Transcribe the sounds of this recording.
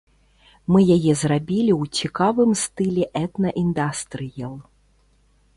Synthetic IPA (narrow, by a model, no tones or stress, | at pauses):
mɨjajɛzrabʲilʲiwt͡sʲikavɨmst̪ɨlʲɛʔɛt̪nɐʔind̪ast̪ɾɨjɛlˠ